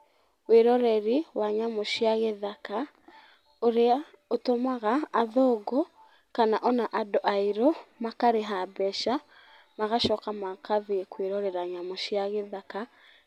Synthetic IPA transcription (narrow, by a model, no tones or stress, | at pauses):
weɾɔɾɛɾiwaɲamoʃiaɣeðaka | oɾea | otomaɣaːðɔɡɔ | kanaʔɔnaʔadɔʔaiɾɔmakaɾeɦabɛʃa | maɣaʃɔkamakʰaðekweɾɔɾɛɾaɲamoʃiaɣeðaka